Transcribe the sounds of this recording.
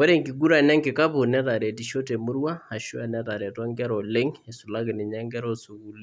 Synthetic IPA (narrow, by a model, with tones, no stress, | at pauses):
wɛ˦ɾɛ˦˨ŋki˨ɡu˦ɾa˨nɛ˦ŋkɪ˨ka˦pʊ˨nɛ˦ta˨ɾɛ˨ti˨ʃo˦tɛ˨mʊ˦ɾwa˦a˨ʃu˦a˨na˦ta˨ɾɛ˨twa˦ŋɡɛ˦ɾɔ˨lɛ˦ŋɛ˨sʊ˨la˦ɡɪ˨nɪ˨ɲa˦ŋɡɛ˦ɾɔ˦su˨ku˨li˦